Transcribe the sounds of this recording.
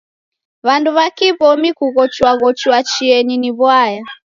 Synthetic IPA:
βanduβakiβɔmikuɣɔt͡ʃwaɣɔt͡ʃuwat͡ʃiɛɲiniβwaja

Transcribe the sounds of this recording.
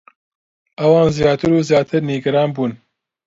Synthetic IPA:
ɐwɑːnzijaːt̪ʰɨɾuːzijaːt̪ʰɨɾniːɡɐɾɑːnbuːn

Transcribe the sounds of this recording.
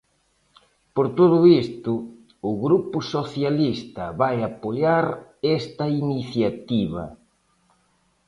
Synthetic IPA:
poɾt̪oðʊist̪ʊ | ʊɣɾupʊsoθjalist̪ɐβajapoʎaɾɛst̪ɐiniθjat̪iβɐ̰

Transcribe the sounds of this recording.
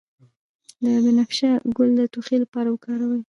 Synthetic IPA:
labɪnafʃaɡʊld̪ət̪oxelapɑɾawəkɑɾawəj

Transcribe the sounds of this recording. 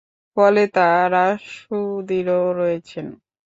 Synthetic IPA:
fɔlet̪aɾaʃud̪iɾoɾɔjet͡ɕʰen

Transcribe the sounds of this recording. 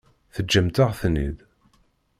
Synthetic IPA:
θəd͡ʒːəmt̪əʁθnið

